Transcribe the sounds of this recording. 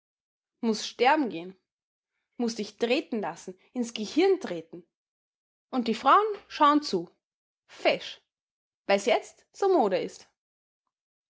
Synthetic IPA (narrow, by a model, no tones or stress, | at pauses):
mʊsʃtɛɐbm̩ɡeːən | mʊsd̥ɪçtʁ̥eːtn̩lasn̩ | ɪnsɡ̥əhɪɐntʁ̥eːtn̩ | ʔʊnt̚d̥iːfʁ̥aʊənʃaʊənt͡suː | fɛʃ | vaɪsjɛt͡st | z̥oːmoːɾɐɪst